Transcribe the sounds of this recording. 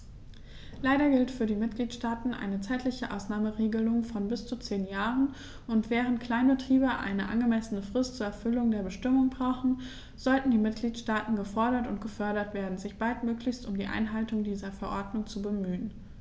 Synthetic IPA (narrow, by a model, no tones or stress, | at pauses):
laɪɾɐɡɪltfyːɐdiːmɪt̚ɡ̥liːtʃtaːtn̩ʔa̰ɪnət͡saɪtʰlɪçəʔa̰ʊsnaːməʁeːɡəlʊŋfɔnbɪst͡sut͡seːnjaːʁən | ʔʊntv̥ɛːʁ̞əntkl̥aɪnbətʁ̥iːbəʔa̰ɪnəʔa̰nɡəmɛsənəfʁ̥ɪstt͡suːɐɛɐfʏlʊŋdeːɐbəʃtɪmʊŋbʁaʊχn̩ | z̥ɔltn̩diːmɪt̚ɡ̥liːtʃtaːtn̩ɡəfɔɐɾɐtʊntɡ̥əfœɐɾɐtv̥eːɐdn̩zɪçb̥altmøːklɪçstʊmdiːʔa̰ɪnɦaltʊŋdiːzɐfɛɐʔɔɐdnʊŋt͡subəmyːən